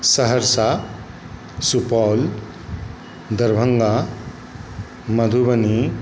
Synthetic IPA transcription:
səɦəɾsa | supal | d̪ɐɾbʱɐŋɡa | mɐd̪ʱubɐni

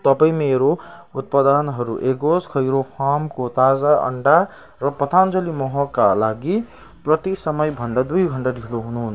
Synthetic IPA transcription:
t̪ʌpaĩmeɾout̪̚pad̪anɦʌɾuʔeɡoskʰʌjɾopʰamkot̪ad͡zaʌ̰ɳɖa | ɾʌpʌt̪ʰand͡zʌlimɔɦɔkalaɡi | prʌt̪isʌmʌjbʱʌnd̪ad̪ujɡʱʌɳʈad̪ʱikʰloɦunɦun

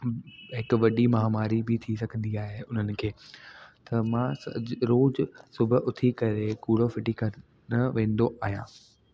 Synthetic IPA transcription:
ɦɪkʋɐɗimɐɦamaːɾibɪt̪ʰisɐɡʱə̃nd̪iaːɦeʊn̤ənɪ̆kʰeːt̪ɐmãːsɐ̰ɾoːd͡ʑsʊbʱʊʔʊt̪ʰikɐɾekuːɽ̤ofɪʈikɐ | nɐʋẽːn̆d̪oʔaːɦijãː

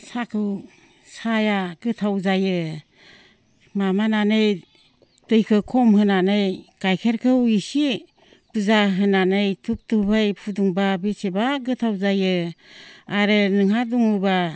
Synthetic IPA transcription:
sakʰɯw | sajaɡ̥ɯtʰawzajɯ | mamananɯj | tɯjkʰɯkʰɔmɦɯnanɯjkajkʰeɾkʰɯwisi | pɯzaɦɯnanɯjtʰup̚tubajpʰuduŋbabesebaɡɯtʰawzajɯ | aɾɯnɯŋhaduŋɯba

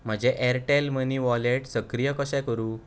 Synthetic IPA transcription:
m̤əd͡ʑeʔɛɾʈelməniʋɔleʈsəkɾijəkəɕɛ̃kəɾũː

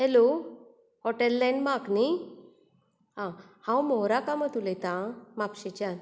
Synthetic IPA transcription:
ɦɛlo | hɔʈɛlːɛ̃nmakni | ɦã | hãwmɔɾakamət̪ulɛt̪ãmapɕit͡ɕan

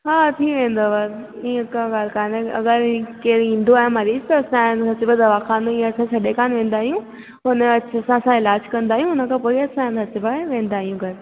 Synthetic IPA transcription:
ɦaːt̪ʰiʋẽːnd̪oʋɐɾ | iːə̃kãːɡaːlkaːnɐ̰ɡəɾkeːɾĩːn̆d̪oaːɦẽmɐɾiːd͡ʑt̪ɐːsãnsɐt͡ɕʊbəd̪ɐʋakʰaːnd̪oĩːɐsʰãt͡ʃʰɐɗekaːnʋẽːnd̪aːɦijũ | ɦʊnəɐɐsãɐsãɪlaːd͡ʑkɐ̃nd̪aːɦijũɦʊnəkʰãpoːiɐsãnsɐt͡ɕɪbaʋẽːn̆d̪aːɦijũɡʱɐɾ

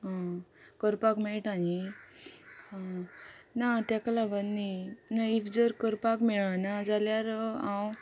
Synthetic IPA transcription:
ɦãkəɾpakmeɭʈani | ã | nat̪jakalaɡənnːinaifd͡zəɾkəɾpakmeɭanad͡zaljaɾãw

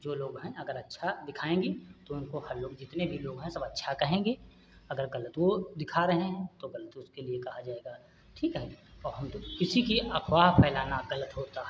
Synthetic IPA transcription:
d͡ʒoːloːɡɦɛ̃ɐɡəɾɐtːʃʰad̪ɪkʰaːẽːŋɡet̪oʊnkohɐɾloːɡd͡ʒɪt̪nebʱiloːɡɦɛ̃sɐbɐtːʃʰakɐɦẽːŋɡeː | ɐɡəɾɣɐlət̪wod̪ɪkʰaɾɐɦeɦɛ̃t̪oɣɐlət̪ʊskeliekɐɦad͡ʒaːeːɡa | ʈʰiːkɦɛɔːɾɦɐmt̪okɪsikiɐxwaːɦpʰɛːlaːnaɣɐlət̪ɦoːt̪aɦɛ

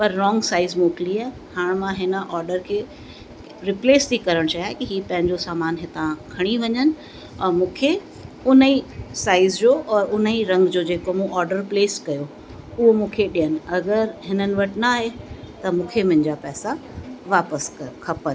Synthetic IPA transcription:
pɐɾːɔːŋɡsaːɪzmoːkliaːɦɪ | haːɽ̃mãɦɪnə̆ʔɔːɾɖəɾkʰeː | ɾɪpleːst̪ʰikɐɾəɽ̃t͡ɕaɦjaːɦɪkiɦiːpɐ̃ɦɪ̃ɲd͡ʑosaːmaːnɦɪt̪ãkʰɐɽ̃iʋɐɲənɪ̆ | ɔːɾmũːkʰe | ʊnəisaːɪzd͡ʑoːʔɔːɾʊniɾɐ̃ŋɡd͡ʑoːd͡ʑeːkomũʔɔːɾɖəɾpleːskɐjo | ʊɦomũːkʰeɗijənɪ̆ɐɡəɾɦɪnənɪ̆ʋɐʈnaːɦe | t̪ɐmũːkʰemʊ̃ɦɪ̃ɲd͡ʑapɛːsaʋaːpəskʰɐpən

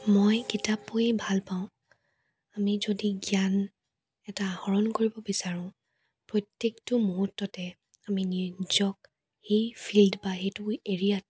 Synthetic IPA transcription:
mojkitapːobʱalpaʊ̃ | amizodiɡian | ɛtahɔɹɔnkoɹibɔbisaɹʊ̃ | pɹɔtːektʊmuɦutːɔtɛ | aminizɔk | xejpʰildbaxejtʊeɹijat̚

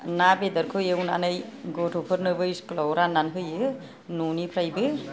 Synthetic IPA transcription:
nabed̪əɾkʰɯjewnanɯjɡɔtʰopʰɯɾnɯbɯjsklɔwɾanːanɦɯjɯ | nunipʰɾajbɯ

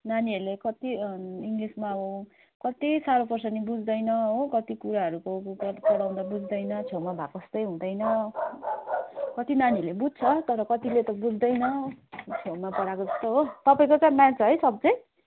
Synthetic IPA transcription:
naniʌɾlekʌt̪iiŋɡlismaɦo | kʌt̪isaɾopʌrsʌnibud͡zd̪ʌjnʌɦokʌt̪ikuɾaɦʌɾukopʌɽaw̃d̪abud͡zd̪ʌjnʌt͡sʰomabʱakʌst̪ʌjɦũd̪ʌjnʌ | kʌt̪inanilebud͡z̚t͡sʰʌt̪ʌɾʌkʌt̪ilet̪ʌbud͡zd̪ʌjnʌt͡sʰomapʌɽakod͡zʌst̪oɦot̪ʌpaĩkot͡sãmat͡sʰʌɦʌjsʌb̚d͡zʌj

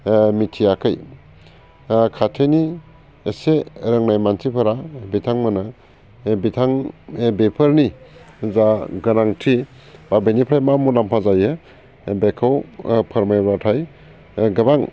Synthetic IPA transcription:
mitʰijakʰɯj | kʰatʰeni | eseɾəŋnajmansipʰaɾabitʰaŋmɯna | bitʰaŋbepʰəɾni | zaɡɯnaŋtʰi | babenipʰɾajmamulampʰazajɯ | bekʰawpʰaɾmajbatʰaj | ɡɯbaŋ

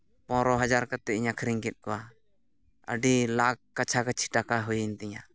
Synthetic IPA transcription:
pɔ̃ɾɔɦad͡ʒaɾkat̪ɛiɲakʰɾiŋkɛt̪̚ˀkɔwa | ə̰ɖilakkːat͡ʃʰakat͡ʃʰi̥ʈakaɦujənt̪ɛɲa

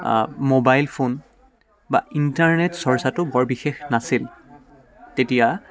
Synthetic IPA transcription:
mobajlpʰon | ba̰intaɹnetsɔɹsatʊbɔɹbixexnasil | tetija

